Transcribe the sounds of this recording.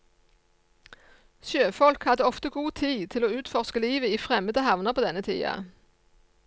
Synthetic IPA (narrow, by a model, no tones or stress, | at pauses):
ʃjøːfɔlkhɑd̪əɔft̪əɡuːt̪ʰiːt̪ʰɪloːʉːt̪fɔʁskəliːʋəiːfʁɛməd̪əhɑʋnəʁpʰoːd̪ɛnət̪ʰḭːɑ̰